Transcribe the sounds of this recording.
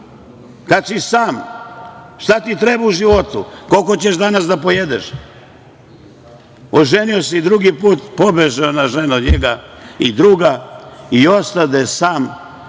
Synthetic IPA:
kat̪sisaːm | ʃt̪at̪it̪ɾebauʒiʋot̪ṵkolkot͡ɕeʃd̪anasd̪apo̞jed̪eʃ | oʒeniosid̪ɾuɡipuːt̪pobeʒeonaʒenuɲeɡaid̪ɾuɡaiost̪ad̪asaːm

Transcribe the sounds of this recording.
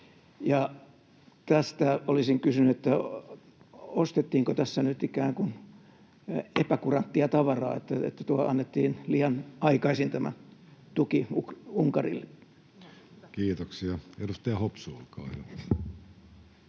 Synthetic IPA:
jɑ | t̪æst̪æolisiŋkysynyet̪ːæ | ost̪et̪ːiːŋkot̪æsːænyt̪ikæːŋkun | epækurɑnt̪ːiɑt̪ɑʋɑrɑ̰ːḛt̪ːæḛt̪ːæt̪uɑlɑ̰nːet̪ːiːnliːjɑnɑikɑisint̪æmæ̰t̪ukiukuŋkɑrḭlːe | kiːt̪oksiɑedust̪eɑhopsuːlkɑ̰ːhyʋæ

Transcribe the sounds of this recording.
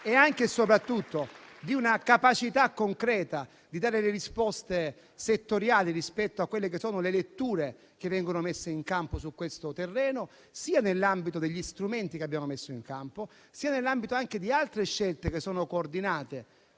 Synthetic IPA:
ɛaŋkesopɾat̪ːut̪ːod̪iunakapat͡ʃit̪akːoŋkɾɛːt̪a | d̪id̪aːɾeleɾispɔst̪e | set̪ːoɾjaːlirispɛt̪ːoakːwelːek̬esːɔːnolelet̪ːuːɾe | k̟evːɛŋɡonomesːeiŋkamposukːwest̪ot̪erːɛːno | siːanelːambit̪od̪eʎːist̪ɾument̪ikeabːjaːmomesːoiŋkampo | siːanelːambit̪oaŋk̟ed̪ialt̪ɾeʃːelt̪ek̟esːoːnokoːrd̪inaːt̪e

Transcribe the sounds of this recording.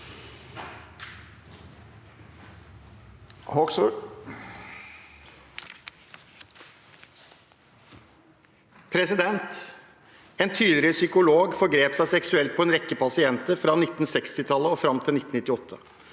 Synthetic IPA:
hɔ | pʰɾɛsɪd̪ɛnt̪ | eːnt̪ʰyːd̪lɪlɪsʏkʊloːɡfɔɾɡɾeːpsæɪsɛksʉɛlt̪̚pʰɔɛːnɾɛkːəpʰɑsɪɛnt̪əɾfɾɑnɪt̪ːn̩sɛkst̪ɪt̪ʰɑlːəɔfɾɑmt̪ʰɪlɪt̪n̩ɪt̪ːɪɔt̪ʰːə

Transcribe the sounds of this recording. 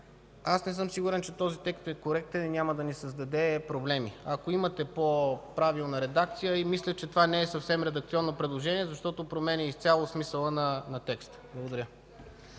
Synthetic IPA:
asnɛsɤmsiɡʊɾɛnt͡ʃɛt̪ɔzit̪ɛkst̪ɛkoɾɛk̚t̪ɛninʲaməd̪ɐnisəzd̪ɐd̪ɛpɾoblɛmiɐkoimət̪ɛpopɾavilˠnəɾɛd̪ak̚t̪sijəimislʲət͡ʃɛt̪ovanɛɛsɐfsɛmɾɛd̪ɐk̚t̪siɔnːopɾɛd̪lˠoʒɛniɛzɐʃt̪ɔt̪opɾomɛnʲɛist̪sʲalˠosmisəlˠənɐnɐt̪ɛkst̪blˠɐɡod̪ɐɾʲə

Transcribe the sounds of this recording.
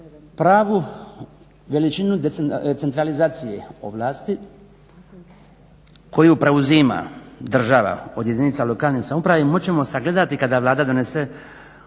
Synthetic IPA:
pɾaːʋu | ʋe̞lit͡ʃinud̪et̪set̪ɾalizaːt̪sijeo̰ʋlˠaːst̪i | ko̞jupɾe̞uzima̰d̪r̩ʒaʋa̰o̞d̪je̞d̪init̪salo̞kaːlnisamupɾaʋimot͡ɕe̞mo̞saɡle̞d̪at̪ikad̪aʋlˠaːd̪ad̪o̞nese

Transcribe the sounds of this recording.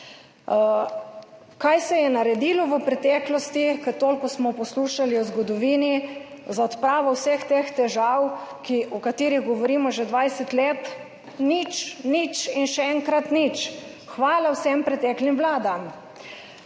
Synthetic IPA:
kajsɛjɛnaɾɛd̪iːlɔʋəpɾɛt̪ɛːklɔst̪ikət̪oːlkɔsmɔpɔsluːʃaliɔzɡɔd̪ɔʋiːni | zaɔt̪pɾaːʋɔwsext̪eːxt̪ɛʒawkiʔɔkat̪iːɾiɣɡɔʋɔɾiːmɔʒɛd̪ʋajsɛt̪leːt̪ | nit͡ʃnit͡ʃinʃɛɛŋkɾat̪nit͡ʃ | xʋaːlawsɛmpɾɛt̪ɛːklimʋlaːd̪am

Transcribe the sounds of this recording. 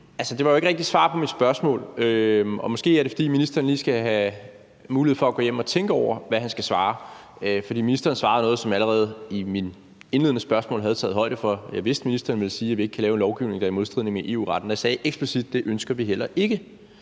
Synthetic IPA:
ælsəd̥e̝ʋɑ̈jo̝eɡ̥əʁɛɡ̥̚d̥isʋɑ̰̈ːpʰɒ̽mid̥sb̥ɶɐsmɔ̰ːløɒ̽mɒ̽sɡ̥e̝̰ːæɐɾe̝fɒ̽d̥ḭːminisd̥ɐːnliːsɡ̥æɦæ | muːliheð̩̰ˠfɒ̽æɡ̥ɔ̽ːjem̰ɒ̽t͡sʰeŋɡ̥əɒʊ̰ɐʋæɦænsɡ̥æsʋɑ̈ː | fɒ̽d̥ḭːminisd̥ɐːn̩sʋɑ̈ːð̩ˠnɔ̽ːð̞̩ˠsɒ̽mæləʁɛːð̞̩ˠimin | e̝nle̝ðˠnəsb̥ɶɐsmɔ̰lɦæð̞̩ˠt͡sʰɛ̰ːð̩ˠɦɒ̽ɪ̰d̥əfɒ̽jɑ̈ɪʋe̝sd̥minisd̥ɐnʋe̝lsiːæʋie̝ɡ̥kʰːælɛːʊe̝nlɒʊɡ̥iʊ̰ne̝ŋd̥ɑ̈imo̝ðsd̥ʁiðˠne̝ŋæʔe̝̰ːṵːʁɑ̈d̥n̩d̥ɑ̈sɛːʔeɡ̥sb̥lisid̥̚ːe̝ʔønsɡ̥ɐʋiɦel̰ɐʔe̝ɡ̥ə

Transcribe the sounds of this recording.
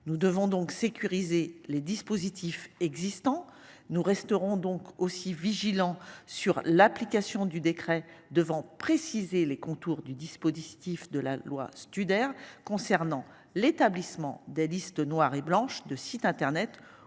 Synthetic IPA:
nud̪əvɔ̃d̪ɔ̃ksekʲyʁizeled̪ispozit̪ʰifɛɡzist̪ɑ̃nuʁɛst̪əʁɔ̃d̪ɔ̃kosiviʒilɑ̃syʁlaplikasjɔ̃d̪yd̪ekχɛd̪əvɑ̃pχesizelekɔ̃t̪uʁd̪yd̪ispozit̪ifd̪əla̰lwa̰st̪yd̪ɛʁkɔ̃sɛʁnɑ̃ | let̪ablismɑ̰̃d̪ɛlist̪ənwaʁeblɑ̃ʃd̪əsit̪ɛ̃t̪ɛʁnɛt̪

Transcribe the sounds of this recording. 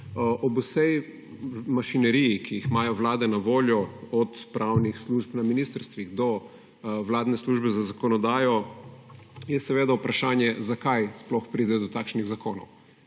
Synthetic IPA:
ʔɔbusɛj | maʃinɛɾijikʰijixmajɔʋlaːd̪ɛnaʋoːljɔɔt̪pɾawnixsluːʒpnaminist̪əɾst̪ʋiɣd̪ɔ | wlaːd̪nɛsluʒbɛzazakɔnɔd̪aːjɔ | jɛsɛʋeːd̪aupɾɐʃaːnjɛzakajsplɔxpɾiːd̪ɛd̪ɔt̪aːkʃniɣzakoːnɔ̰w

